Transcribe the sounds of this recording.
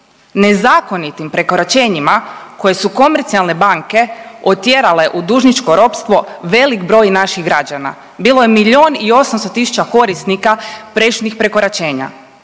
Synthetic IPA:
ne̞zaːko̞nit̪impɾe̞ko̞ɾat͡ʃe̞ːɲimako̞je̞suko̞meɾt̪sialˠne̞baŋke̞ot̪je̞ɾale̞ʔud̪uʒnit͡ʃko̞ɾo̞pst̪ʋo̞ʋe̞likbɾo̞ːjnaʃiɣɡɾad͡ʑana̰ | biːlojemiʎo̞ːnio̞samst̪ot̪isu̥t͡ʃako̞ɾist̪nikapɾeʃnixpɾe̞ko̞ɾat͡ɕe̞ːɲa̰

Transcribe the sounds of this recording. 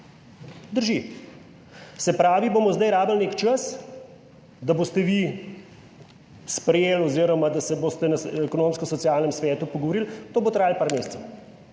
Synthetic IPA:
d̪əɾʒi | sɛpɾaːʋiboːmɔzd̪ajɾaːbəlnekt͡ʃəs | d̪abost̪ɛʋi | spɾɛjeːlɔziɾɔmad̪asɛboːst̪ɛnɐɛkɔnoːmskɔsɔtsjaːlnɛmsʋɛːt̪upɔɡɔʋɔɾilt̪oːbot̪ɾaːjlpaːɾmeːst̪sɛw

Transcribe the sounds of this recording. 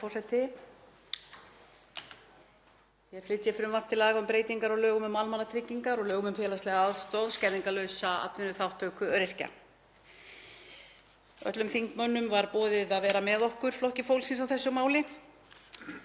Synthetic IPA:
ɔsɛjt̪ʰɪ | jɛɣflɪt̪ːjɪfɾʏmvḁt̪ʰɪlaːɣaʏmpɾeːjt̪iŋkaɾɔɣlœːɣʏmʏmalmanːat̪ʰɾɪcːiŋkaɾɔɣlœːɣʏmʏmfɛːlast̪lɛɣaaðst̪ɔwðscɛðiŋkalœsaa̰t̪vɪnʏθawht̪ʰːœɥkʏœɾɪr̥ca̰ | œ̰t̪lʏmθiŋkmœnːʏmvaɾpɔːðɪðaðvɛːɾamɛðɔhkʏɾ̥flɔhcɪfowlsɪnsawθɛsːʏmaːwlɪ

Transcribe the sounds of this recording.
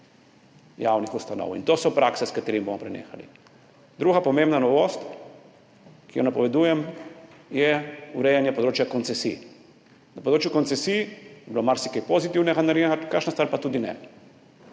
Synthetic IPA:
jawnixust̪anɔ̰wḭnt̪oːsɔpɾaksɛskat̪eːɾimibomɔpɾɛnḛːxalḭ | d̪ɾuːɣapɔmẽmbnanɔʋost̪ | kijɔnapɔʋɛd̪uːjɛm | jɛuɾɛjɛnjɛpɔd̪ɾoːt͡ʃjakɔnt̪sɛsḭ | napod̪ɾoːt͡ʃjukɔnt̪ɛsijbilomaɾsikejpozit̪iwnɛɣanaɾeakaʃnast̪ʋaɾpat̪uːd̪inɛ̰

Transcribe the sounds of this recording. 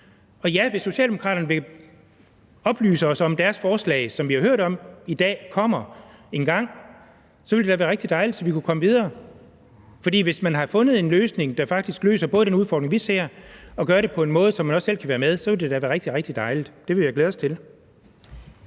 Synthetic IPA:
ɒ̽jæʋesːo̝ɕɛ̰ːld̥emokʰʁɑ̰ːɾ̥ɐnəʋe̝ | ɒ̽b̥ly̰ːsəɒ̽sɒ̽md̥æɐsfɒːslɛ̰ːsɒ̽mʋihɑ̈høɐ̰ɾ̥ɒ̽mid̥ɛ̰ːkʰɒ̽m̰ɐe̝nɡ̥ɑ̈ŋ̰ | sɒ̽ʋeld̥e̥æʋæːɐʁeɡ̥d̥id̥ɑ̈ɪlid̥sɒ̽ʋikʰukʰɒ̽məʋið̞ˠɐː | fɒdḭːʋe̝smænɦɑ̈fɔ̽nð̩ˠe̝nløːsne̝ŋd̥ɑ̈fɑ̈ɡ̥̚d̥isɡ̥lø̰ːsɐb̥ɔ̽ːðəd̥enuð̞ˠfɒ̰ːd̥ʁe̝ŋʋise̝ɐ̰ɒ̽ɡ̥ɶːɐɾe̝pʰɒ̽e̝nmɔ̽ːð̞̩ˠsɒ̽mːænɒ̽sːel̰kʰæʋæːɐmeð̞ˠsɒ̽ʋe̝ld̥e̝d̥æʋæːɐʁɡ̥d̥iʁeɡ̥̚d̥id̥ɑ̈ɪlid̥d̥e̝ʋe̝jɑ̈ɪɡ̥leːð̞ˠɒst͡sʰe̝l

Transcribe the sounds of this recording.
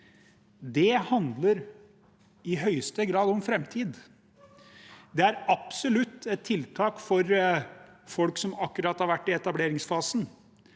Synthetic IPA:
d̪ɛhɑnd̪ləɾ | ɪɦœʏst̪əɡɾɑːd̪ɔmfɾɛmt̪ʰiːd̪ | d̪ɛæɾɑpsɔlʉt̪ːɛt̪ʰːɪlt̪ʰɑːkfɔɾ | fɔlksɔmɑkːʉɾɑːt̪hɑɾʋæʈːɪɛt̪ɑbleːɾɪŋsfɑːsn̩

